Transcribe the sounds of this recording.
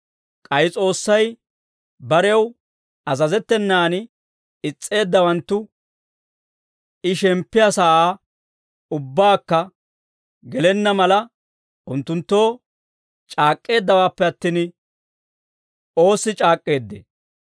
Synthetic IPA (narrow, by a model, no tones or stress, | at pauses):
kʼɐjɪt͡sʼo̞ːsːɐj | bɐɾɛw | ɐzɐzɛt̪ːɛnːaːn | ɪt͡sʼːe̞ːd̪ːɐwɐnt̪ːʊ | ɪʃɛmpːɪjasaːaː | ʊbːaːkːɐ | ɡɛlɛnːɐmɐlɐ | ʔʊnt̪ːʊnt̪ːo̞ː | t͡ʃʼaːkʼːe̞ːd̪ːɐwaːpːɛɐt̪ːin | o̞ːsːɪt͡ʃʼaːkʼːe̞ːd̪ːḛ